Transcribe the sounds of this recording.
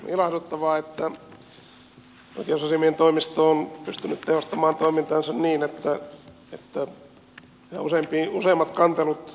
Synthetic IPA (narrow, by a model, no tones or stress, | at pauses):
ilɑht̪ut̪ːɑʋɑːet̪ːæ | o̰ikeosɑsimient̪oimist̪ooːnpyst̪ynːyt̪tehost̪ɑmɑːnt̪oimint̪ɑːnsɑnniːnet̪ːæ | et̪ːæ | næ̰useimpiuseˑːmːɑt̪kɑnt̪elut̪